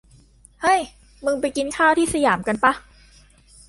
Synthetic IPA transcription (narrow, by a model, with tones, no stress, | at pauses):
hɤ˥˩j | mɯ˧ŋpa˧jki˧nkʰaː˥˩wt̪ʰiː˥˩sa˧jaː˩˦mka˧npa˦˥